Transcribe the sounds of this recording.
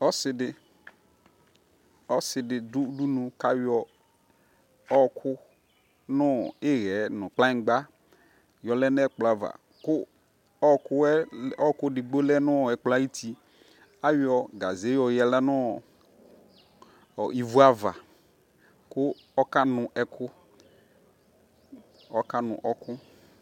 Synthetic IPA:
ɔ˦sɪ˨˦dɪ˨ | ɔ˦sɪ˨dɪ˨du˦du˦nũ˨ka˨wɔ˨ | ɔ˦kʰʊ˦ | nʊ˦˨ɪ˦ɣɛ˨˦nʊ̃˨k͡plã˦ɡ͡ba˦ | jɔ˨lɛ˦n˦ɛ˦k͡pla˨va̰˨ | kʊ˦ | ɔ˦kʊ˦ɛ˦ɔ˦kʊ˦dɪ˨ɡ͡bo˦lɛ˦nʊ˦˨ɛ˨k͡pla˦ji˦tʰi˨ | a˦wi˦ɔ˨ɡa˨ze˨˦jɔ˨jɛ˨lɛ˦nʊ˦˨ | ɔ˨i˨vu˦a˦va˨ | kʊ˦ | ɔ˦ka˦nʊ˨ʔɛ˨kʰʊ˦ | ɔ˦ka˦nʊ̰̃˨ʔɔ˦kʊ˦

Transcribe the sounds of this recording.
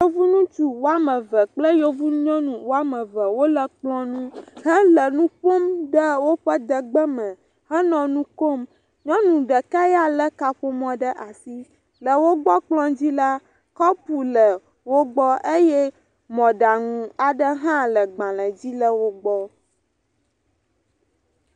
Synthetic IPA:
jo˦vu˦nũ˦t͡ʃu˦wo˦a˦mə̃˨və˨k͡plə˦jo˦vu˦ɲɔ̃˦nũ˨wo˦a˦mə̃˨və˨wo˦lə˨k͡plɔ̃˦nũ˦ɦə˦lə˨nũ˦ɸo˦mɖə˦wo˦ɸə˦d̪ə˨ɡ͡bə˦mə̃˨ | ɦə˦nɔ̃˨nũ˦ko˦m | ɲɔ̃˦nũ˨ɖə˨ka˦ja˦lə˦ka˨ɸo˦mɔ̃˦ɖə˦ʔa˨si˦ | lə˨wo˦ɡ͡bɔ˦k͡plɔ̃˦d͡ʑi˦la˦ | kɔ˦pu˨lə˨ | wo˦ɡ͡bɔ˦ʔe˦jɛ˦ | mɔ̃˨ɖa˨ŋũ˨a˨ɖə˦ɦã˦lə˨ɡ͡bã˨lə̃˨d͡ʑi˦lə˦wo˦ɡ͡bɔ˦

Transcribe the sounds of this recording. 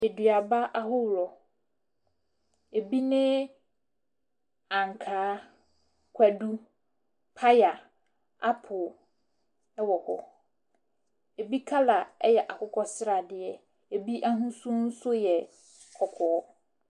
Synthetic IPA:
e˨dɥa˨ba˦ʔa˨ɦʊ˦wɾɔ˨ | e˨bi˦nɪ̃˦ | ã˨ŋ˨kʰaː˨˦ | kʰʷæ˨du˦ | pʰa˦ja˨ | a˦pʰʊ˨ | ɛ˦wɔ˨kʰɔ̰˨ | e˨bi˦kʰa˦la˨ɛ˦jɛ˨ʔa˨kʰʊ˦kʰɔ˦sɪ˦ɾa˨dɪ˨ɛ˨ | e˨bi˦ʔa˦ɦũ˦sũ˦n̩˦sʊ˦jɛ˨ | kʰɔ˨kʰɔ˨˦

